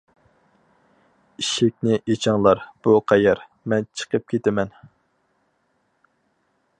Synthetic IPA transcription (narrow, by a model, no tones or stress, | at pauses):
iʃɪk̚ʲnɪʔet͡ʃʰɑŋlˠɑɾb̥uqʰɑjɛɾ | mɛnt͡ʃʰə̥qəp̚kʲʰet̪ɪmɛn